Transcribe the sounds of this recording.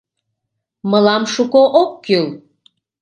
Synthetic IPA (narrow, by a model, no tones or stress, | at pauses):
məlɑmʃukoʔokːyl